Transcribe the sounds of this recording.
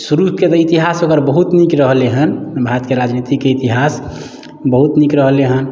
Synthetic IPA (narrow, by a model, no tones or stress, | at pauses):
suɾubket̪ɔit̪iɦasokəɾbəɦut̪nikɾəɦleɦənbʱaɾət̪keɾad͡ʒnit̪ikːeit̪iɦas | bəɦut̪nikɾəɦleɦən